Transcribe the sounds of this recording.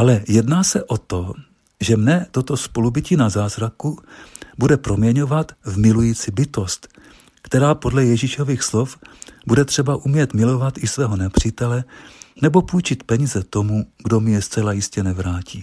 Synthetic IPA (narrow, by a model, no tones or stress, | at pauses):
ʔalɛjɛdnaːsɛʔo̞t̪o̞ | ʒɛmnɛt̪o̞t̪o̞spo̞lubɪciːnazaːzɾakubudɛpɾo̞mɲɛɲo̞vat̪vmɪlujiːt͡sɪbɪt̪o̞st̪ | kt̪ɛɾaːpo̞dlɛjɛʒiʃo̞viːxslo̞fbudɛt̪r̝̥ɛbaʔumɲɛt̪mɪlo̞vat̪ɪsvɛːɦo̞nɛpr̝̥iːt̪ɛlɛnɛbo̞pujt͡ʃɪt̪pɛɲiːzɛt̪o̞muɡdo̞mɲɛst͡sɛlajɪscɛnɛvɾaːciː